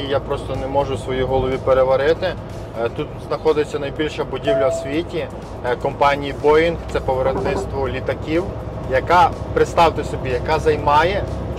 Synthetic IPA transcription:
ijapɾɔst̪ɔnemɔʒʊsʋɔjiɦɔlˠɔʋʲipeɾeʋɐɾɪt̪ɪ | t̪ut̪znɐxɔd̪ɪt͡sʲːɐnɐjbʲilʲʃɐbʊdʲiwlʲɐsʲʋʲitʲi | kɔmpɑnʲijibɔjinkt̪sɛpɔʋeɾɔt̪nɪt̪st̪ʋɔlʲit̪ɐkʲiw | jɐkapɾɪt̪st̪ɑwt̪ɪsɔbʲijɐkɑzɐjmɑjɛ

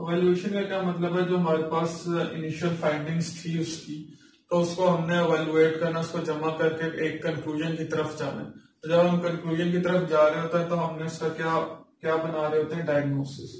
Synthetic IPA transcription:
ɛʋɛːlueːʃənkakjaːmɐt̪ləbɦɛd͡ʒoːɦɐmaːɾepaːsɪ̰nɪʃəlfʰaːɪ̃ɳɖɪ̃ŋɡst̪ʰiʊski | t̪oʊskoɦɐmneɛʋɛːlueːʈkɐɾnaʊskod͡ʒɐmakɐɾkeeːkːɐ̃nkluːʒənkit̪ɐɾəfd͡ʒaːna̰t̪od͡ʒɐbɦɐmkɐ̃nkluːʒənkit̪ɐɾəfd͡ʒaːɾeeɦoːt̪aɦɛ̃t̪oɦɐmneʊskakjaːkjaːbɐnaːɾeɦoːt̪eɦɛ̃ɖaːjəɡnoːsɪs

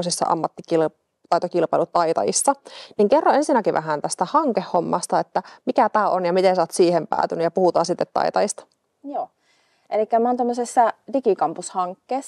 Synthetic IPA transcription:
osisːɑ̰ʔɑ̰mːɑt̪ːikil | t̪ɑjt̪okilpɑilut̪ɑit̪ɑ̰jḭsːɑniŋkerːɑensinækiʋæ̰ɦænt̪æst̪æhɑŋkehːomːɑ̰st̪ɑet̪ːæmikæt̪æːʔonjɑmit̪esɑːt̪siːhempæ̰ːt̪ynyjɑpuhut̪ɑ̰ːsit̪ːet̪ːɑ̰it̪ɑjist̪ɑ̥ | joː | ʔelikːæmoːnt̪omːøsesːɑdikikɑmpushɑŋkːeːs

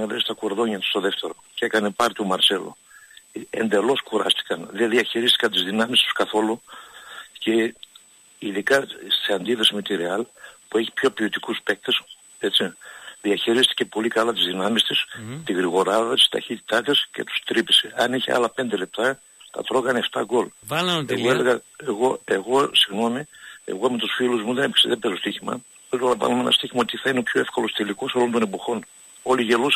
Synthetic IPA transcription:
neðest̪ɐkuɾðo̞ɲɐt̪u̥st̪o̞ðe̞ft̪eɾo̞cekɐnepɐɾt̪iomɐɾse̞lo̰ | ḛnd̪e̞lo̞skuɾɐ̰st̪i̥kɐnðenðiɐçiɾist̪i̥kɐnt̪izðinɐmist̪u̥skɐθo̞lu | ce̞ | iðikɐseɐnd̪iθɐsimet̪iɾeɐlpueçi̥pço̞pio̞t̪ikuspe̞k̚t̪es | e̞t͡siðiɐçiɾist̪i̥ce̞po̞likɐlɐt̪izðinɐmist̪ist̪iɣɾiɣo̞ɾɐðɐt̪i̥st̪ɐ̰çit̪i̥t̪ɐt̪isce̞̰t̪u̥st̪ɾipi̥seɐniçḛɐ̰lɐpe̞nd̪e̞le̞p̚t̪ɐ | t̪ɐ̰t̪ɾo̞ɣɐneft̪ɐɡo̞lḛɣoeleɣɐeɣo̞e̞ɣo̞siɣno̞mie̞̰ɣo̞emet̪usfiluzmuðe̞nepkseðebe̞zost̪içimɐ̰ | eloɐnɐpɐ̰lumenɐst̪içimɐot̪iθɐineo̞pço̞e̞fko̞lo̞st̪eliko̞so̞lo̞nt̪o̞ne̞po̞xo̞n | o̞liʝe̞lus

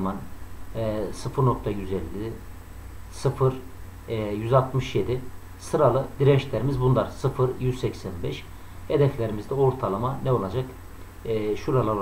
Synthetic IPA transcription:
manː | sɯfɯɾno̞k̚t̪ʰajyzɛlʲːi | sɯfɯɾ | jyzalˠt̪mɯʃje̞d̪i | sɯɾalˠɯd̪iɾɛʃlʲeɾimizbunlˠaɾsɯfɯɾjyzsɛcsænbɛʃ | ed̪ɛflʲeɾimizd̪ɛoɾt̪ʰalˠamanɛo̞lˠad͡ʒakː | ʃuɾalˠaɾ

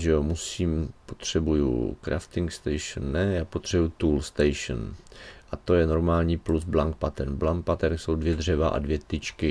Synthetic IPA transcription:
ʒɛomusiːmpo̞t̪r̝̥ɛbujṵkɾʔa̰ft̪ɪŋkst̪ɛjʃnːɛjaːpot̪r̝̥ɛbujut̪uːlst̪ɛjʃnʔat̪ojɛno̞ɾmaːlɲiːplusblaŋk̚pat̪ɛɾnblaŋk̚pat̪ɛɾso̞wdvjɛdr̝ɛvaʔa̰dvjɛt̪ɪt͡ʃkɪ

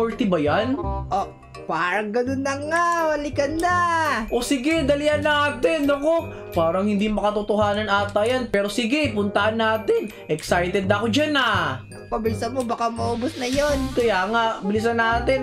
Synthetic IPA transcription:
oɹt̪ɪbɐjanʔo | paːɾɐŋɡɐnonːɐŋawɐlɪkɐnːaʔo̞sɪɡɛd̪ɐlihɐnːaaːt̪ɪnːoko | paːɾɐŋhɪnd̪imɐkɐt̪ʊt̪ohaːnɐnʔaːt̪ɐjanpɛːɾo̞sɪɡɛpʊnt̪ɐʔɐnːaːt̪ɪn | ʔɛksajt̪ɛd̪ɐkod͡ʒana | pɐbɪlɪsɐnmobakamɐʔoːbʊsnɐjonkɐjaːŋaʔbɪlɪs̬ɐnːaːt̪ɪn

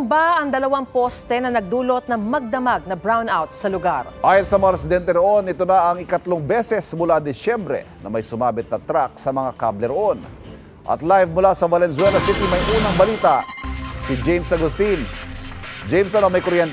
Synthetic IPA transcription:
ŋbaʔɐŋd̪ɐlɐwaŋpost̪ɛnɐnɐɡ̚d̪uːlot̪̚nɐŋmɐɡ̚d̪ɐmaɡ̚nɐbɹawnawt̪̚sɐlʊɡaɾʔaːjɐnsɐmɐŋaɾɛsɪd̪ɛnt̪ɛnoʔo̞nɪt̪onaʔɐŋɪkɐt̪loŋbɛsɛsmʊlad̪ɪsjɛmbɾɛ̰nɐ̰mɐjsʊmaːbɪt̪̚nɐt̪ɾak̚sɐmɐŋakablɛɾoʔo̞n | ʔɐ̰t̪lajvmʊlasɐvɐlɛns̬ʊwɛlɐsit̪imɐjʔuːnɐŋbɐliːt̪asid͡ʒɛjmsɐɡʊst̪in | d͡ʒɛjmsɐnomɐjkoɾjɛnt̪

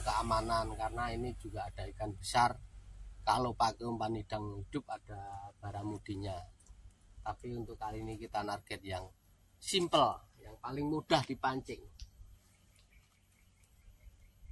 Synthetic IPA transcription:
kəamanankarənaini̥d͡ʒuɡaːd̥a̤ikanb̥əsarkalopakumpanid̥a̤ŋhid̪̥ʊ̤p̚ad̥a̤b̥a̤ɾamud̥i̤ɲa | t̪apiunt̪ʊʔkalinikit̪anarɡ̥ɛt̪̚jaŋ | simpəljaŋpalɪŋmuɖ̥a̤hd̥i̤paɲt͡ʃɪŋ

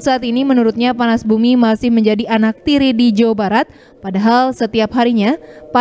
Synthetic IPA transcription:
saat̪inimənuɾʊt̪̚ɲapanasbumimasɪhməɲd͡ʒadianak̚t̪iɾidid͡ʒawabaɾat̪̚ | padaɦalsət̪iapɦaɾiɲapa

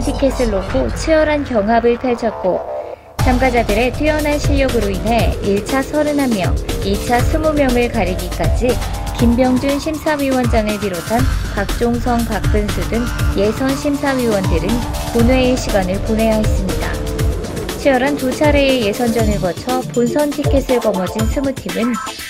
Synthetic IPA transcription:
pʰikʰes͈ʰɯɭːokʰot͡ɕʰiʌɾɦankjʌŋɦabɯɭtʰaɭt͡ɕʰʌt̚k͈o | t͡ɕamɡad͡ʑadɯɾe̞tʰɥiʌnɦanɕʰiʎːʌɡɯɾoinɦe̞iɭt͡ɕʰasʰʌɾɯnɦamjʌiɭt͡ɕʰasʰumumjʌŋɯɭkaɾiɡik͈ad͡ʑi | kimbjʌŋd͡ʑunɕʰimsʰawɥiwʌnd͡ʑaŋɯɭpiɾotʰanpak̚t͡ɕ͈oŋsʰʌŋpak̚p͈ɯnsʰudɯŋje̞sʰʌnɕʰimsʰawɥiwʌndɯɾɯnponwe̞ːɕʰiɡanɯɭpone̞jaɦes͈ɯmɲida̰ | t͡ɕʰijʌɾantot͡ɕʰaɾe̞eje̞sʰʌnd͡ʑʌnɯɭɡʌt͡ɕʰʌponsʰʌntʰikʰe̞sʰɯɭkʌmʌd͡ʑinsʰumutʰimɯn

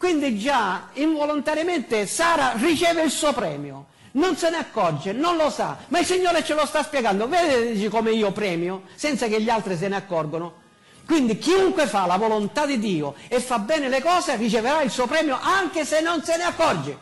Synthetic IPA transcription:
kwind̪id͡ʒaiɱvɔlont̪aɾjamɛnt̪ɪsaːɾarit͡ʃɛːvɪilsuːopɾɛ̰ːmjʊ̰ | nonsɪnɪakːɔrd͡ʒenonlosa̰mailsiɲːoːɾet͡ʃɪlost̪aspjɛɡand̪ʊvɛːd̪ɪt͡ʃikɔmɪiːʊpɾɛːmjʊsɛnt̪sakɪʎːialt̪ɾis̬ɪnɪakːɔrɡʊnʊ | kwind̪ikiuŋkwefalavɔlʊnt̪ad̪id̪ːiːʊɛfːabːɛːnɪlɪkɔːserit͡ʃɪveɾailsuːopɾɛːmjʊʔaŋkɪsenːonsɪnɪakːɔrd͡ʒɪ

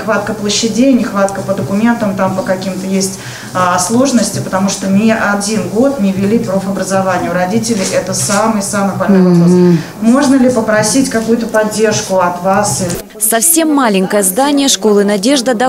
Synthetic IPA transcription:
xvat̪̚kəplˠəɕːɪdʲejnʲɪxvat̪̚kəpəd̪əkʊmʲe̞nt̪əmt̪ampəkɐkʲimt̪əjesʲtʲ | ɐslˠo̞ʐɨnəsʲtʲɪpət̪ɐmuʂt̪omʲeʔɐdʲinɡo̞t̪nʲɪvʲɪlʲipɾofɐbɾəzavanʲɪjʊɾɐdʲitʲɪlʲɪʔɛt̪əsamɨjsamɨjbɐlʲnojvɐpɾos | mo̞ʐnəlʲɪpəpɾɐsʲitʲkɐkujʊt̪əpɐdʲːe̞rʂkʊɐt̪vasɨ | sɐfsʲe̞mːalʲɪŋʲkəjəzd̪anʲɪjəʂko̞lˠɨnɐdʲe̞ʐd̪əd̪ɐ

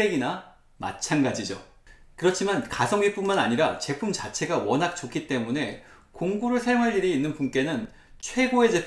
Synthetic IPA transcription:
e̞ɡina | ma̰t͡ɕʰanɡad͡ʑid͡ʑo̰ | kɯɾʌt͡ɕʰimankasʰʌŋɥip͈unmanaɲiɾat͡ɕe̞pʰumt͡ɕat͡ɕʰe̞ɡawʌnɦak̚t͡ɕ͈okʰit͈e̞mune̞ | koŋɡuɾɯɭsʰajoŋɦaʎːiɾiːnːɯnpunk͈e̞nɯn | t͡ɕʰwe̞ɡoe̞d͡ʑe̞p

